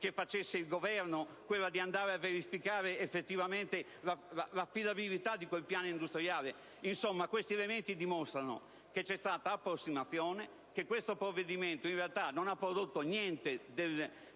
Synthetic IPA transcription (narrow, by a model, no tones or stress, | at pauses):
kefːat͡ʃesːeilɡovɛɾnokwelːad̪iand̪aːɾeavːeɾifikaːɾeːfːet̪ːivament̪e | lalalafːid̪abilit̪ad̪ikwelpjaːnoind̪ust̪ɾjaːle | insomːakwest̪iɛlement̪id̪imɔst̪ɾano̰ | ket͡ʃːɛst̪aːt̪aːpːɾosːimat̪θːjɔːne | kekːwest̪opɾovːed̪iment̪oinrealt̪anonapːɾod̪ot̪ːonjɛnt̪ed̪el